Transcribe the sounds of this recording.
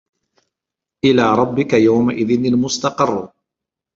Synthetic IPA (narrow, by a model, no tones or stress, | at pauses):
ʔɪlaːɾˤɑbːɪkajawmaʔɪðɪnalmʊst̪ɑqɨrˤː